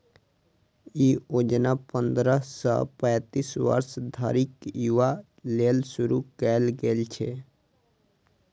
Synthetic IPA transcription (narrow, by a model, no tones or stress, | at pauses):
iod͡ʒnapənd̪ɾəsə̰pɛ̃jt̪isʋə̰ɾsd̪ʱəɾikjuʋa | lelsuɾukɛlɡelt͡ʃʰɛ